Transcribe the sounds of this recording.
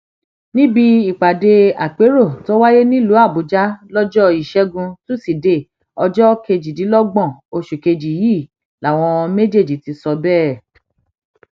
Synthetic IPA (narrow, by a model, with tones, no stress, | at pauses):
nĩ˦bi˧i˨k͡pa˨de˧a˨k͡pe˨˦ɾo˦˨to˦wa˦je˦nĩ˦lu˨˦a˦˨bu˨d͡ʒa˦lɔ˦d͡ʒɔ˦i˦˨ʃɛ˦ɡũ˧tu˦˨si˨de˨ | ɔ˧d͡ʒɔ˦ke˧d͡ʒi˨di˨˦lɔ˦ɡ͡bɔ̃˦˨o˧ʃu˨ke˧d͡ʒi˨jiː˦˨ | la˨w̃ɔ̃˧me˦d͡ʒe˦˨d͡ʒi˨ti˧sɔ˧bɛː˦